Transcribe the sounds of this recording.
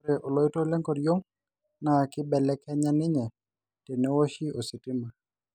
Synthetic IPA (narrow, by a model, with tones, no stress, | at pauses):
ɾɛ˨ʔɔ˨lɔ˨˦ɪ˦to˦lɛ˦ŋkɔ˨djo˦ŋ | na˨kɪ˦bɛ˨lɛ˦kɛ˦ɲa˦nɪ˦ɲɛ˨ | tɛ˨nɛ˦wɔ˦ʃi˦o˨sɪ˨tɪ˦ma˨